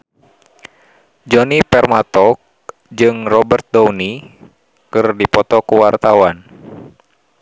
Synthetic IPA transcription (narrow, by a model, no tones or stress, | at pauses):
d͡ʒɔnipɛrmat̪ɔk̚ | d͡ʒɨŋrɔbərt̪̚dɔwni | kɨrdipɔt̪ɔkuwart̪awan